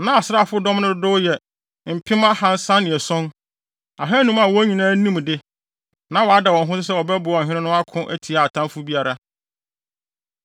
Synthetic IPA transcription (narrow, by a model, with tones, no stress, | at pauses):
nã˦a˨sɾa˦˨fʊ˦dɔ̃˦mnʊ̃˦dʊ˦jɛ˨ | m̩˨pʰɪ̃˦ma˦hã˦n̩˦sã˦nɪ̃˨ɛ˨sɔ̃˦n | a̰˨ɦɛ˦nũ˦ma˨wɔ˦æ˦ɲĩ˨nãː˦nĩ˦m˨dɪ˦ | nã˨˦wɔ˨a˦dɛ˨wɔ̃˨nɦʊ̃˦sɪ˦sɛ˦wɔ˨bɛ˦bʊ˨ɔ˨ɦɪ̃˦ɾɪ̃˦nʊ̃˦a˦kʰʊ̃˦ʔæ̰˦tʰi˨a˨a˨tʰã˦mfʊ˦bi˦a˨ɾa˨